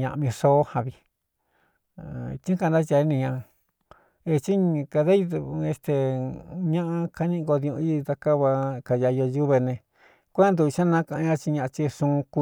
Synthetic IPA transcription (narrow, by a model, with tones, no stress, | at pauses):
ɲã̰˧ʔĩ˧ʂo˦hã˧βi˧ | t͡ʃĩ˦ka˧nd̪a˦t͡ʃa˧˦nĩ˧ɲã˧ | e˧t͡ʃi˦ka˧ða˦i˧e˧st̪e˧ɲã˦ʔã˧ka˧nĩ˦˧ɡo˧ðĩ˧ṵ̃˧i˦˧t̪a˧ka˦βa˧ka˧˨ja˧jo˧ju˦βe˧nẽ˧ | kʷnd̪u˧i˧ʃã˦nã˦kã˧ʔɲã˦t͡ʃi˧ɲã˧ʔã˧t͡ʃi˧ʂũ˧ku˧